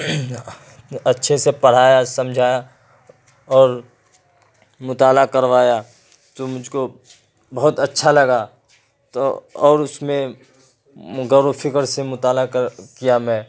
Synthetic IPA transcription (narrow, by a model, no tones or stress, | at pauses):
ɐtːʃʰesepɐɽ̤aːjasɐ̃md͡ʒʱaːja | ɔːɾ | mʊt̪aːlakɐɾʋaːja | t̪omʊd͡ʒʱko | bɐɦʊt̪ɐtːʃʰalɐɡa | t̪oɔːɾʊsmẽ | ɡɐɾofʰɪkəɾsemʊt̪aːlakijamɛ̃ː